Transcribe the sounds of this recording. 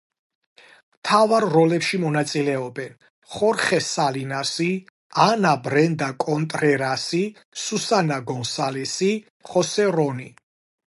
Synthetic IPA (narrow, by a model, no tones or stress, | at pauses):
mt̪ʰavaɾːɔlɛpʃimɔnat̪sʼilɛɔbɛn | χɔɾχɛsalinasi | anabɾɛnd̪akʼɔnt̪ʼɾɛɾasi | susanaɡɔnsalɛsi | χɔsɛɾɔni